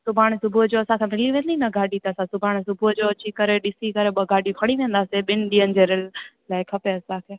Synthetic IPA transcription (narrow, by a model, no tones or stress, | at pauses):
sʊbaːɽ̃sʊbud͡ʒoɐsãːkʰemɪliʋẽːnd̪inɐɡʱaːɗit̪ɐːsãsʊbʱaːɽ̃sʊbud͡ʒot͡ʃikɐɾeɗɪsikəɾeɓəɡʱaːɖipʰɐɽiʋẽːn̆d̪aːseɓɪnɗiːənd͡ʑeɾɪllaːɪkʰɐpeɐsãkʰeː